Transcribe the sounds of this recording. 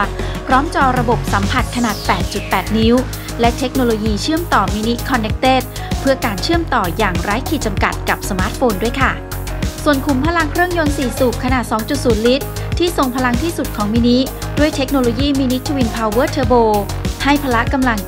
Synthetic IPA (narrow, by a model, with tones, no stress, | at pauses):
pʰɾɔː˦˥mt͡ɕɔː˧˩ɾa˧bo˨˩p̚sa˩˦mpʰa˨˩t̪̚kʰa˧naː˨˩t̪̚pɛː˨˩t̪̚t͡ɕu˨˩t̪̚pɛː˨˩t̪̚ni˦˥w | lɛ˦˥t̪ʰe˦˥k̚noː˧loː˧jiː˧t͡ɕʰɯ˥˩əmt̪ɔː˨˩miː˧ni˦˥kʰɔ˧nːe˦˥k̚t̪eː˥˩t̪̚ | pʰɯ˥˩əkaː˧nt͡ɕʰɯ˥˩əmt̪ɔː˨˩jaː˨˩ŋɾaː˦˥jkʰiː˨˩t̪̚t͡ɕa˧mka˨˩t̪̚ka˨˩p̚sa˧maː˦˥t̪̚foː˧ndu˥˩əjkʰa˥˩ | su˨˩ənkʰu˨˩˦mpʰaː˧la˧ŋkʰɾɯ˥˩əŋjo˧nsiː˨˩suː˨˩p̚kʰa˧naː˨˩t̪̚sɔː˩˦ŋt͡ɕu˨˩t̪̚suː˩˦nli˦˥t̪̚ʰːiː˥˩so˨˩ŋpʰa˧la˧ŋt̪ʰiː˥˩su˨˩t̪̚kʰɔː˩˦ŋmiː˧ni˦˥du˥˩əjt̪ʰe˦˥k̚noː˧loː˧jiː˥˩miː˧ni˦˥t̪ʰa˧wi˧npʰaː˧wɤː˥˩t̪ʰɤː˧boː˧ha˥˩jpʰaː˧la˦˥ʔka˧mla˧ŋ